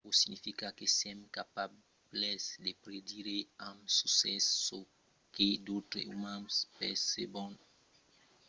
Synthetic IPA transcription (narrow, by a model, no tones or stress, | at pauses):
posiɲifikakesɛmkapa | blɛsd̪epɾed̪iɾeãmsusɛso | ked̪ot̪ɾḛumãmspɛ̰sebɔ̃n